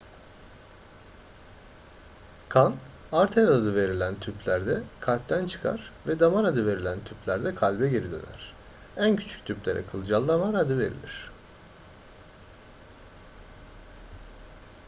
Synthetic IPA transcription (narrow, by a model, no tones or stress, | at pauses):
kʰan | aɾt̪ʰelaad̪ɯve̞ɾilʲænt̪ʰypʰlʲæɾd̪ɛkʰalʲp̚t̪ʰænt͡ʃʰɯ̥kʰa̰ɾ̥vɛd̪amaɾad̪ɯve̞ɾilʲænt̪ʰyplʲæɾd̪ɛkʰalʲbɛɟeɾid̪ø̰næ̰ɾ̥ | æncʰy̥t͡ʃʰy̥c̚ʲt̪ʰyplʲeɾʔɛ̰kʰɯlˠd͡ʒalˠːamaɾad̪ɯve̞̰ɾḭlʲḭɾ̝̥